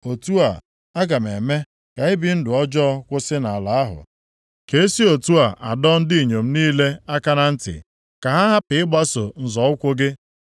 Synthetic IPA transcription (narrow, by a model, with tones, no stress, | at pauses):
o˨tu˦a˨ | a˦ɡa˨m˨e˨me˦ | ka˨ɪ˦bi˨n̩˦dʊ˨ɔ˦d͡ʒɔ˦kʷʊ˦sɪ˦na˨a˨la˨a˦ɦʊ̰˨ | ke˦si˦o˨tu˦a˨ʔa˨dɔ˦n̩˦di˦i˨ɲo˨m̩˦niː˦le˦a˦ka˦na˦n̩˦tɪ̰˨ | ka˨ɦa˦ɦa˦pɪ˨ɪ˦ɡ͡ba˦so˨n̩˨zɔ˨˦ʊ˦kʷʊ˦ɡɪ˦